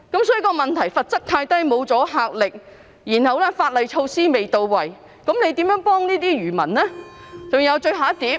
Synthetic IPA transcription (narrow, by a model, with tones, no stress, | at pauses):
kɐ˨˥msɔː˨˥jy˨˧˩kɔː˧mɐ˨˩nt̪ʰɐ˨˩jfɐ˨t̚t͡sɐ˥k̚t̪ʰaː˧jt̪ɐ˥jmo˨˧wt͡sɔː˨˥ɦaː˨k̚lɪ˨k̚ | jiː˨˩nhɐ˨wlɛː˥faː˧t̚lɐ˨jt͡ʃʰo˧wsiː˥me˨jt̪o˨˧wːɐ˨˩j | kɐ˨˥mne˨˧jt̪iː˨˥mjœ˨˥ŋpɔː˥ŋniː˥t̪iː˥ɥyː˨˩mɐ̰˨˩nlɛː˥t͡sʊ˨ŋjɐ˨˧wt͡ʃɵ˧ɥɦaː˨˥t̪iː˨˥p̚